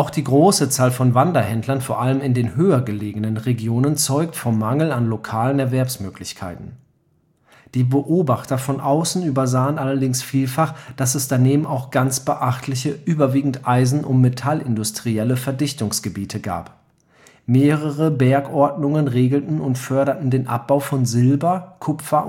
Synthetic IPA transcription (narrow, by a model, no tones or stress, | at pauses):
ʔaʊxd̥iːɡʁoːsət͡saːlfɔnvandɐhɛndlɐnfoːɐʔaləmɪndeːnɦøːɐɡəleːɡənənʁeɡjoːnənt͡sɔʏk̚tfɔmːaŋl̩anlokʰaːlənɛɐvɛɐpsmøːkʰlɪçkʰa̰ɪtn̩ | d̥iːbəʔoːbaχtɐfɔnʔaʊsn̩yːbɐzaːənʔalɐdɪŋsfiːlfaχd̥asɛsd̥aneːbm̩aʊxɡ̥ant͡sb̥əʔaχtʰlɪçəʔyːbɐviːɡŋ̩tʔaɪzn̩ʔʊntmetʰalʔɪndʊstʁ̥iɛləfɛɐdɪçtʊŋsɡ̥əbiːtʰəɡa̰ːp | meːʁəʁəbɛɐkʔɔɐtnʊŋənʁeːɡl̩tn̩ʊntfœɐɾɐtn̩deːnʔa̰p̚b̥aʊfɔnzɪlbɐkʰʊpfɐ